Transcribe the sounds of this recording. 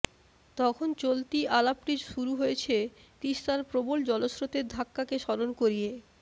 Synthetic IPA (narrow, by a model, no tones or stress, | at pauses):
t̪ɔkʰont͡ɕolt̪ialapʈid͡ʑʃuɾuɦojet͡ɕʰet̪iʃt̪aɾpɾobold͡ʑɔlosɾot̪eɾd̪ʱakːakeʃɔɾonkoɾije